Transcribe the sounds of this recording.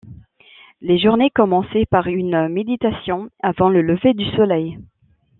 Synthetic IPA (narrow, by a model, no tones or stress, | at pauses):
leʒuʁnekɔmɑ̃sɛpaʁynmed̪it̪asjɔ̃avɑ̃lələved̪ysɔlɛj